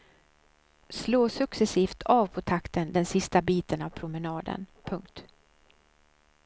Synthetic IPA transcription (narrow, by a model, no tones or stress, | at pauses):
sloːsɵksɛsiːft̪ʰɑːvpʰɔt̪ʰakt̪ənd̪ɛnsɪst̪abiːt̪ənavpʰɾʊmɛnɑːd̪ə̰npʰɵŋk̚t̪